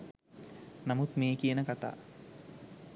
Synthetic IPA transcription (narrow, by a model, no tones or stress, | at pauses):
namut̪meːkijənəkat̪a̰ː